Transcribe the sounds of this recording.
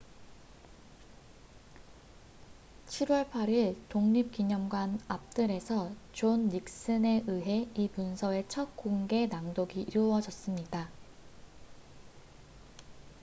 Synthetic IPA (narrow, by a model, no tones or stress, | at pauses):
t͡ɕʰiɾwʌɭpʰaɾiɭtoŋɲip̚k͈iɲʌmɡwanap̚t͈ɯɾe̞sʰʌt͡ɕonːik̚s͈ɯne̞ʔɯɦe̞ipunsʰʌe̞t͡ɕʰʌk̚k͈oŋɡe̞naŋdoɡiʔiɾowʌd͡ʑʌs͈ɯmɲida